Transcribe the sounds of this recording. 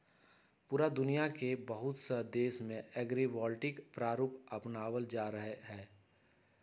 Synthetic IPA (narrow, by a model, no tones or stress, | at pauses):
puːɾad̪ʊnijakebəɦʊt̪səd̪eːʃmẽʔɛːɡɾibɔːlʈɪkpɾaːɾuːpɐpnaːwəld͡ʒaːɾəɦeɦɛ̃ː